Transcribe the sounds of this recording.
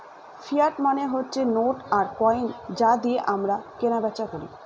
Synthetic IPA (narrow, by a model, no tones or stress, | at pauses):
fijaʈmaneɦotːt͡ɕʰenoʈaɾkɔjnd͡ʑad̪ieʔamɾakenabɛtːɕakoɾḭ